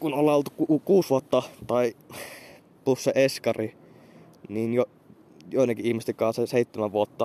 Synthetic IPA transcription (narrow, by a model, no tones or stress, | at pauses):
kunolːɑolt̪u̥kukuːsʋuot̪ːɑt̪ɑi | pusːeʔeskɑri | niːnjo | joˑinɑkiihmest̪ekˑɑːseseit̪ːemæʋuot̪ːɑ